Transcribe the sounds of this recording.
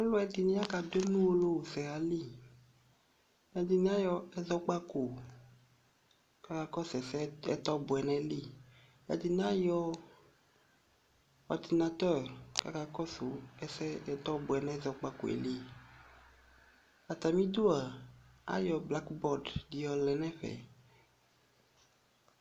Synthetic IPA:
a˦lɔ˦ɛ˨di˨nĩ˦a˦ka˨de˦nũ˦o˦lo˦˨sɛ˨a˨li˦˨ | ɛ˨d̪i˨n˦a˦jɔ˨ɛ˦zɔ˦k͡pa˦ko˨ | ka˨ka˨kɔ˦sɛ˨sɛ˦ɛ̰˦t̪ɔ˦bʊ˨ɛ˨nɛ̃˦li˦˨ | a̰˨d̪i˨n˦a˦jɔ˦ | ɔ˨ɾd̪i˨na˨t̪ɛ˦ɾka̰˨ka˦kɔ˦so˨ɛ˨sɛ˦t̪ɔ˦bu˨ɛ˨nɛ̃˦zɔ˨k͡pa˦ko̰˨ḛ˨li˦ | a˨t̪a˨mĩ˦d̪u˦a˨a̰˦jɔ˨bla˦kbɔ˦˨ɾddi˨jɔ˨˦lɛ˨nɛ̃˦ɸɛ̰˨

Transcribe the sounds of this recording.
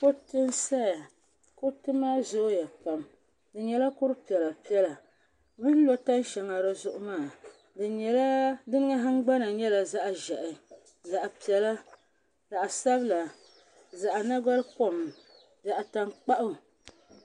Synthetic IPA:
ko˦tɨ˦nsa˦ja˨ | ko˦tɨ˦maː˦zo˦ja˨pa˨m | dɨ˨ɲɛ˨la˦kʊ˦ɾɨ˦pi˨ɛ˨la˨pi˦ɛ˦la˨ | mɨ˦n̩˦lo˦ta˦n˦ʃɛ˨ŋa˨ɾɨ˦zʊ˦ʔʊ˦maː˦˨ | dɨ˨ɲɛ˨la˦dɨ˦nɨ˦ŋa˦ɦɨ˦ŋ˦ɡ͡ba˦na˨ɲɛ˦la˨za˦ʔʒɛ˨ʔɪ˨ | za˨ʔa˨pi˨ɛ˨la˦ | za˨ʔa˨sa˦bla˨ | za˨ʔa˨na˦ɡa˦ɾpo˦˨m˨ | da˨ʔa˨ta˦ŋk͡pa˦ʔʊ˦

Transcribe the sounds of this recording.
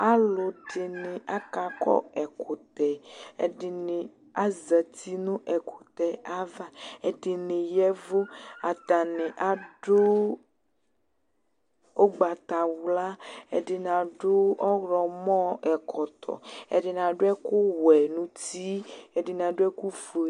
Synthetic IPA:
a˦lʊ˨ɖɪ˨nɪ̃˨a˦ka˨kɔ̰˦ɛ˨kʊ˨t̪ɛ˨ɛ̰˨ɖɪ˨nɪ˨ | a˦zə˨t̪i˦nʊ̃˦ʔɛ˨kʰʊ˨t̪ɛ˨a˦va˦ɛ˨ɖɪ˨nɪ̃˨jɛ˦vo˦a˨t̪a˨nɪ̃˨ʔa˨ɖʊ˦ | o˦ɡ͡ba˨t̪a˨wla˦ɛ̰˨ɖɪ˨nã˨ɖʊ˦ɔ˦ɣɾɔ˨mɔ̃˦ɛ˨kʰɔ˨t̪ʰɔ̰˨ɛ̰˨ɖɪ˨n˨ã˨ɖʊ˦ɛ˦kʊ˦wɛ˨nũ˦t̪i˦ɛ˨ɖɪ˨n˨ã˨ɖʊ˦ɛ˦ku˦fu˨

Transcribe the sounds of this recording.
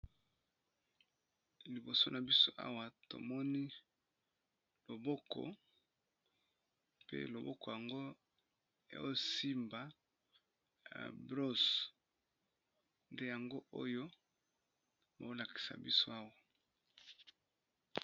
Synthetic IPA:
li˨bo˨so˦na˨bi˦so˦ʔa̰˦wa˨to̰˨mɔ˦ni˦ | lo˨bɔ˦kʰɔ̰˨ | pḛ˦lo˨bɔ˦kɔ˨ja˨ŋɡo˦ | ḛ˨o̰˦jo˦˨si˦mba˨ | a̰˨bʁo˦s | nde˦ja˨ŋɡo˦ʔo˦jo˦ | ba̰˨o˦la˨ki̥˨sa̰˨bi˦so˦a˦wa˨

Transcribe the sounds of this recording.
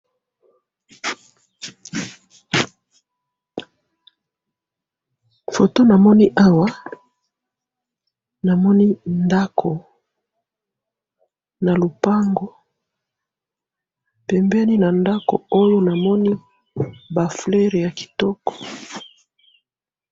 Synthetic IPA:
fo˨to˦na˨mɔ˦ni˦ʔa˦wa˦ | na˨mɔ˦ni˦nda˦kʰo˨ | na˨lo˨pa˦ŋɡo˦ | pɛ˨mbɛ˦ni˦na˨nda˦ko̰˨o˦jo˦na˨mɔ˦ni˦ | ba˨fle˦ʁe˨ja˨ki̥˨tɔ˦kɔ̥˨

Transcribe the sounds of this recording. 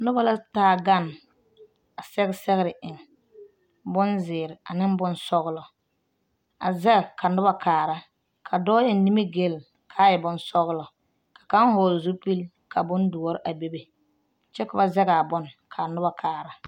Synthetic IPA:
nʊ˦ba˦la˦taː˦˨ɡa˦n | a˨sɛ˦ɣɪ˦sɛ˦ɣɪ˦ɾɪ˨ʔɪ˨ŋ | bʊ˦nzɪː˨ɾɪ˨a̰˨nɪ˦m˦bʊ˦nsɔ˦ɣɪ˦lɔ˨ | a̰˨zɛ˦ɣɛ˨kʰa˨nʊ˦ba˨kʰaː˨ɾa˦ | kʰa˨dɔː˦jɛ˨n˨ni˦me˦ɡe˦˨l | kʰaː˦jɛ˨bʊ˨nsɔ˦ɣlɔ˨ | kḁ˨ka˦ŋ˦hɔː˨lzʊ˦pi˦l | kʰa˨bʊ˦ndu˨ɔ˦ɾɪ˦ʔa˨be˦be˨ | t͡ʃɛ˦kʊ˨ba˦zɛ˦ɡa˨a˨bʊ˦nkʰa˨nʊ˦ba˨kʰaː˨ɾa˦

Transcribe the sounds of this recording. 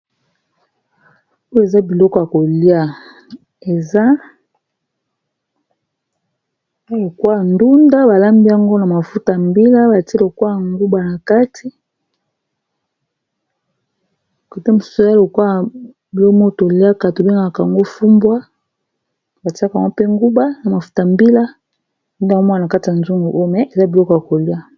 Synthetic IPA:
o˦je˨za˦bi˨lɔ˦kɔ˨ja˨ko˨li˦a˦ | e˨za˦ | a˦lo˨kwa˦˨ndu˦nda˦ba˨la˦mbi˦a˦ŋɡo˦na˨ma˨fu˦ta˨mbi˦la˦ba˨ti˦lo˨kwa˦˨ŋɡu˦ba˨na˨ka˦tʰi˦˨ | ko˨te˦mo˨su̥˦u˨e˨za˦lo˨kwa˦˨ | bi˨lo˦mo˦˨to˨lja˦ka˨to˨be˦ŋɡa˨ka˨a˨ŋɡo˦fu˦mbwa˦ | ba˨ti˦a˦ka˨ŋɡo˦pe˦ŋɡu˦ba˦na˨ma˨fu̥˦ta˨mbi˦la˦ | du˦nda˨ŋ˦o˦mɔ˦a˨a˨ka˦ti˨a˨nzu˦ŋɡo˨ʔo˦jo˨mɛ˨ʔe˨za˦bi˨lɔ˦kja˨ko˨li˦a˦

